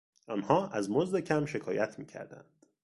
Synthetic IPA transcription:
ʔɒːnhɒːʔæzmozd̪e̞cʰæmʃe̞kʰɒːjæt̪ʰmiːcʰæ̰ɾd̪æ̰nd̪̥

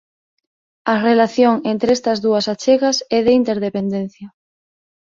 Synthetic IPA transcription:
ɐrelaθjoŋent̪ɾeɛst̪ɐzðuɐsat͡ʃeɣɐsɛðeint̪eɾðepend̪en̟θjɐ

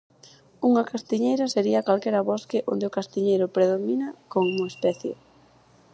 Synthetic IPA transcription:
uŋɐkast̪iɲejɾɐseɾiɐkalkɛɾɐβɔskɪʔond̪ɪʊkast̪iɲejɾʊpɾeðominɐkoŋuŋespɛθjo̰

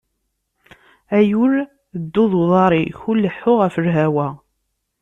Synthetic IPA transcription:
æjuɾ | əd̪ːʊðˤwðˤɑɾˤiçulːəħːʊʁæfəɾɦæwæ

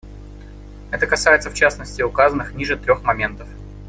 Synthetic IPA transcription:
ɛt̪əkɐsajɪt̪səft͡ɕasnəsʲtʲɪʊkazənːɨxnʲiʐɨt̪ɾʲo̞xmɐmʲe̞nt̪əf

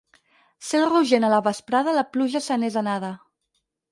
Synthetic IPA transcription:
selˠruʒenələβəspɾaðələpluʒəsənezanaðə

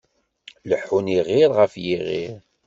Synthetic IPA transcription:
ləħːuniʁiɾˤʁəfjiʁiɾ

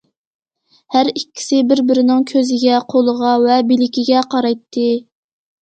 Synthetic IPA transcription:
hæɾikʲːi̥sɪbɪɾbɪɾɪnɪŋkʲʰøzɪɡʲɛqʰolˠəʁɑvɛbilɪkʲiɡʲɛqʰɑɾɑjt̪ʰːɨ

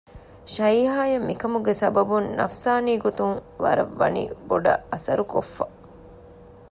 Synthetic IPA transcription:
ʃɐiːɦaːjɐmːikɐmuɡesɐbɐbunnɐ̰fsaːniːɡot̪uŋʋɐ̰ɾɐʋːɐ̰nḭboɖɐ̰ɐsɐ̰ɾukofːɐ

